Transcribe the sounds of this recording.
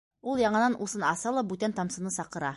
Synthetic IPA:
ulˠjɑɴɤ̆nɑnʔusɤnɑsɑlˠɑbʉt̪ænt̪ɑmsɤ̆nɤsɑqɤ̆ɾɑ

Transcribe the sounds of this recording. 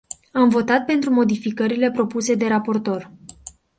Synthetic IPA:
amvo̞t̪at̪̚pe̞nt̪ɾumo̞d̪ifikəɾile̞pɾo̞puse̞d̪e̞ɾapo̞rt̪o̞r

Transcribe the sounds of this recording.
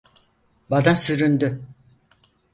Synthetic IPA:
bad̪asyɾynd̪y

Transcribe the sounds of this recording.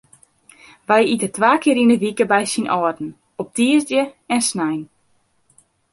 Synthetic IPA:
ʋɛjitətʋaːkɪːɾinəʋikəbɛjsinɔːdn̩ | ɔp̚tiəzdjəɛnsnɛjn

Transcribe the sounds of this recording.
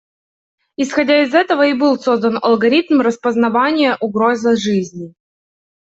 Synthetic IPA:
ɪsxɐdʲaɪzɛt̪əvəibɨlˠso̞zd̪ənɐ̰lˠɡɐɾʲit̪mrəspəznɐvanʲɪjəʔʊɡɾo̞zəʐɨzʲnʲɪ

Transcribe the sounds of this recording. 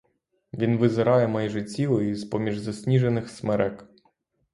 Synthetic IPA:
ʋʲinʋɪzɪɾɑjɛmɛjʒɪt͡sʲilˠɪjizpɔmʲiʒzɐsʲnʲiʒenɪxsmɛɾɛk

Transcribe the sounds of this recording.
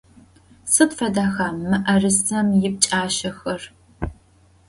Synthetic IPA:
sɨtfɐdaːxaːmːɨʔɐrɨsɐmjɪp̚t͡ʃʼaːʃɐxɐr

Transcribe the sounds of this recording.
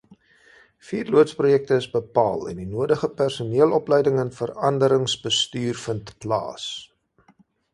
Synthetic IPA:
fiːrluətsprujɛk̚təəsbəpɑ̰ːlˠɛ̰ndinuədəχəpærsuniəlˠɔplɛjdəŋənfərɐndəɾəŋsbəstyːrfəntplɑ̰ːs

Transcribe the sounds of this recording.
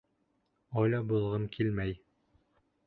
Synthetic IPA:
ɒjlɑbulˠʁɤmkʰilmæj

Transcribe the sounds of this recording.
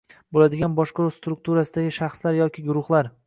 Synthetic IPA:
bolad̪ɪɡʲanbɒʃqɑɾust̪ɾʊk̚t̪ʰuɾasɪd̪aɡʲɪʃaχslaɾjɒkʲʰɪɡʊɾʊχlˠaɾ

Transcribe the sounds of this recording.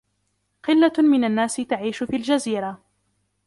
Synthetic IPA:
qɨlːamɪnanːaːsɪt̪aʕiːʃʊfiːld͡ʒaziːɾˤa

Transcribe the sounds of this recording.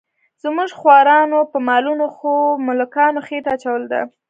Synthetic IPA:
z̥muʐxwɑɾɑnopəmɑlunoxomʊlkɑnoxet̪aːt͡ʃawəld̪a̰

